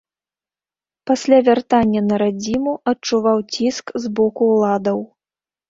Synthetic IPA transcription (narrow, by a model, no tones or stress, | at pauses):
pasʲlʲavʲart̪anʲːɐnɐɾad͡zʲimuɐt͡ʂuvawt͡sʲiskzbɔkulˠad̪ɐw